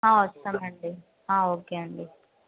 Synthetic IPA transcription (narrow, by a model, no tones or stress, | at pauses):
ɦãːɔsɐmɐɳɖi | hãːɦoːkeɐɳɖi